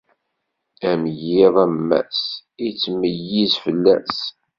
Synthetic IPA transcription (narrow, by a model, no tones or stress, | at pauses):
æmjiðˤæmːæ̰sit͡sːməjizfəlːæ̰s